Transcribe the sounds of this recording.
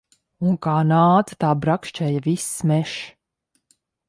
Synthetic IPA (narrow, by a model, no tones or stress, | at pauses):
uŋkaːnaːd̪zḁt̪aːbɾakʃt͡ʃɛjavismɛʃ